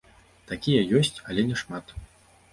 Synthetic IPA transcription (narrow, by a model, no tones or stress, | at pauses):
t̪akʲijɐjɔsʲt͡sʲɐlʲɛnʲɛʂmat̪